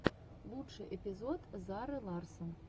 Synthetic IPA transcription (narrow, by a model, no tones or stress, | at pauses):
lˠuʂɨʔɛpʲizɔt̪zaɾɨlˠɑrsəm